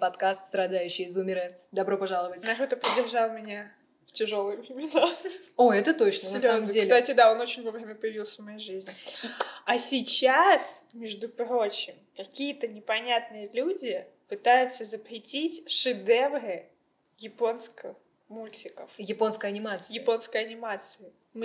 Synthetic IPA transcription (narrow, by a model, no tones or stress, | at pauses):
pɐt̪kast̪st̪ɾɐd̪ajʉɕːɪjɪzumʲɪɾəd̪ɐbɾo̞pɐʐalˠəvətʲnɐkot̪əpɾɪdʲːɪrʐalˠmʲɪnʲa | ftʲɪʐo̞lˠɨjəvɾʲɪmʲɪnaoɛt̪ət̪o̞t͡ɕnənʲəmʲeklʲɪt̪atʲɪd̪ao̞not͡ɕɪnʲvovɾʲemʲəpəjɪvʲilˠsʲəvmɐjejʐɨzʲnʲɪ | ɐsʲɪt͡ɕasmʲɪʐd̪ʊpɾo̞t͡ɕɪmkɐkʲijət̪ənʲɪpɐnʲat̪nɨjəlʲudʲɪpɨt̪ajʊt̪səzəpɾʲɪtʲitʲʂɨd̪ɛvɾɨ | jɪpo̞nskə | mulʲtʲɪkəfjɪpo̞nskəjɐnʲɪmat̪sɨjɪpo̞nskəjɐnʲɪmat̪sɨɪ | mɨ